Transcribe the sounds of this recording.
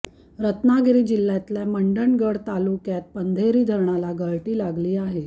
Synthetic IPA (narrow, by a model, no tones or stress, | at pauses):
ɾət̪naɡɾiːd͡ʑilːjat̪ljaməɳɖəɳɡəɽt̪alukjat̪̚pənd̪ʱeɾiːd̪ʱəɾɳalaɡəɭʈiːlaɡliːaɦe